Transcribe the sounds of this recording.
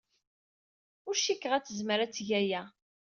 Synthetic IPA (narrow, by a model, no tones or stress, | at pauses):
ʊɾʃikːəʁæt͡sːəzməɾæt͡sːʝæjæ